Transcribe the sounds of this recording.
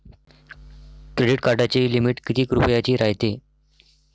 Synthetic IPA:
kɾeɖiʈkaɾɖat͡ɕelimiʈkit̪iːkɾupəjat͡ɕiːɾajt̪e

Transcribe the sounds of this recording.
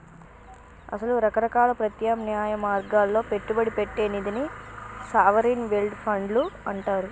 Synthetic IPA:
ɐ̰sɐluɾɐkɐɾɐkaːlɐpɾɐt̪jaːmnijaːjɐmaːɾɡaːlːo̞ːpe̞ʈːubɐɽipe̞ʈːeːnid̪inisaːʋɐɾinʋelɖpʰɐɳɖluɐɳʈaːɾu

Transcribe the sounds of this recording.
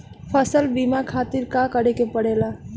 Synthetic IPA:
pʰəsəlbiːmakʰaːt̪ɪɾkakəɽekepəɽeːla

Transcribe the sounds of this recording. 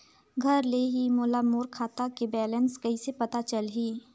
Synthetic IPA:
ɡʱɐɾleːɦimoːlamoːɾkʰaːt̪akebɛːlənskɐɦisepɐt̪at͡ʃəlɦiː

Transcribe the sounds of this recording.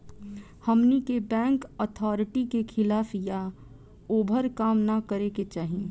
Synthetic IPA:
həmnikebɛ̃ːŋkət̪ʰɔːɾɪʈikekʰɪlaːfja | oːbʱəɾkaːmnakəɾeket͡ʃaːɦiẽ

